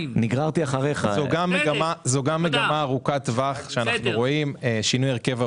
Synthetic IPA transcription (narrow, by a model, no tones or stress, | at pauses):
niɡʁaʁt̪iaχaʁeχazoɡameɡamazoɡameɡamaːʁukat̪vaχʃeanaχnuʁo̞imeʃinujeʁke̞va